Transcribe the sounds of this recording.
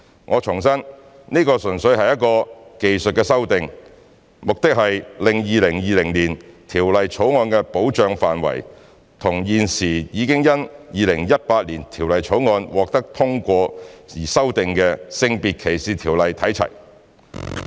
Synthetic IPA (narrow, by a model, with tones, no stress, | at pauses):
ŋʔɔː˨˧t͡ʃʰʊ˨˩ŋsɐ˥n | niː˥kɔː˧sɵ˨˩nsɵ˨˧ɥhɐ˨jɐ˥t̚kɔː˧ke˨jsɵ˨t̚kɛː˧sɐ˥wt̪ɪ˨ŋ | mʊ˨k̚t̪ɪ˥k̚hɐ˨jlɪ˨ŋjiː˨˧lɪ˨˩ŋjiː˨˧lɪ˨˩ŋliː˨˩nt̪ʰiː˨˩wlɐ˨jt͡ʃʰo˨˥wŋɔː˧nkɛː˧po˨˥wt͡ʃœː˨˧ŋfaː˨nwɐ̰˨˩j | t̪ʰʊ˨˩ŋjiː˨nsiː˨˩jiː˨˧kɪ˥ŋjɐ˥njiː˨˧lɪ˨˩ŋjɐ˥t̚paː˧t̚liː˨˩nt̪ʰiː˨˩wlɐ˨jt͡ʃʰo˨˥wŋɔː˧nwɔː˨k̚t̪ɐ˥k̚t̪ʰʊ˥ŋkʷɔː˧iː˨˩sɐ˥wt̪ɪ˨ŋkɛː˧sɪ˧ŋpiː˨˩t̚kʰe˨˩jsiː˨˩t̪ʰiː˨˩wlɐ˨jt̪ʰɐ˨˥jt͡sʰɐ̰˨˩j